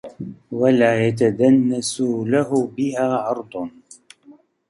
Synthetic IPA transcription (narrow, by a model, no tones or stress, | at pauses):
walaːjat̪̬ad̪anːasʊlahʊbɪhaːʕɑɾˤd̪ˤ